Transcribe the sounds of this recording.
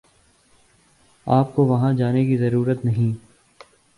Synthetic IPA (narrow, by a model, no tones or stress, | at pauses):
aːp̚koʋɐɦãd͡ʒaːnekizɐɾuːɾət̪nɐɦĩː